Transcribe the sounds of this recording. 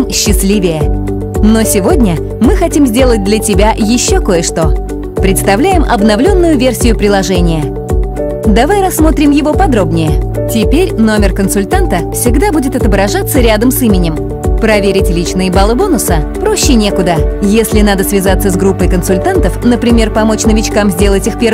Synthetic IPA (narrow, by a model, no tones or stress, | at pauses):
mɕːɪsʲlʲivʲɪjə | no̞sʲɪvo̞dʲnʲə | mɨxɐtʲimzʲdʲe̞lˠət̚ʲd̪lʲətʲɪbʲajɪɕːoko̞jəʂt̪o̞ | pɾʲɪt̪st̪ɐvlʲæjɪmʔɐ̰bnɐvlʲo̞nːʊjʊvʲe̞rsʲɪjʊpɾʲɪlˠɐʐɛnʲɪjə | d̪ɐvajɾɐsːmo̞t̪ɾʲɪmjɪvo̞pɐd̪ɾo̞bnʲɪjətʲɪpʲeɾʲno̞mʲɪrkənsʊlʲt̪ant̪əfsʲɪɡd̪abudʲɪt̪ɐt̪əbɾɐʐat̪sːəɾʲad̪əmsimʲɪnʲɪm | pɾɐvʲeɾʲɪtʲlʲit͡ɕnɨjəbalˠəbonʊsəpɾoɕːɪnʲekʊd̪əjesʲlʲɪn̪ad̪əsvʲɪzat̪sːəzɡɾupːəjkənsʊlʲt̪ant̪əfnəpɾʲɪmʲe̞rpɐmo̞t͡ɕnəvʲɪt͡ɕkamzʲdʲe̞lˠətʲixpʲe